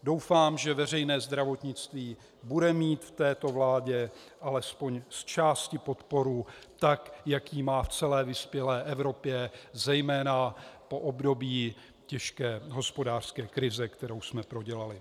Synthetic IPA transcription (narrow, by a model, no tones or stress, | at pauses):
do̞wfaːmʒɛvɛr̝ɛjnɛːzd̪ɾavo̞t̪ɲɪt͡st̪viː | budɛmiːt̪ft̪ɛːt̪o̞vlaːɟɛ | ʔalɛspo̞ɲst͡ʃaːscɪpo̞t̪po̞ɾuːt̪akjakjiːmaːft͡sɛlɛːvɪspjɛlɛːʔɛvɾo̞pjɛzɛjmɛːnapo̞ʔobdo̞bjiː | cɛʃkɛːɦo̞spo̞daːr̝̥skɛːkɾɪzɛkt̪ɛɾo̞wsmɛpɾo̞ɟɛlalɪ